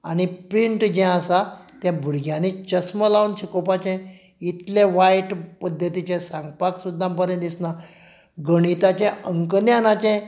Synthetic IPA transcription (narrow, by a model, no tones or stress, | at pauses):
aɽ̃ipɾiɳʈd͡ʑɛ̃asat̪jãbʱuɾɡʱjanit͡ɕəsməlaunɕikopat͡ɕɛ̃ | it̪lɛ̃ʋajʈpəd̪ʱːət̪it͡ɕɛ̃saŋɡpaksud̪ʱːãmpəɾẽd̪isna | ɡəɽ̃it̪at͡ɕɛ̃ʔəŋknjanat͡ɕɛ̃